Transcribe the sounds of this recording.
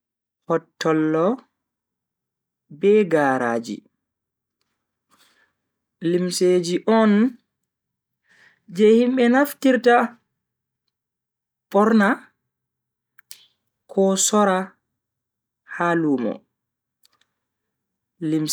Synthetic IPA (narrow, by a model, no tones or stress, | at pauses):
hɔtːɔlːɔ | bɛɡaːɾa̰ːd͡ʒḭ | limsed͡ʒiʔɔn | d͡ʒɛhimɓɛnaftiɾta | pɔɾna | kʰɔsɔɾa | haluːmɔ̰ | lim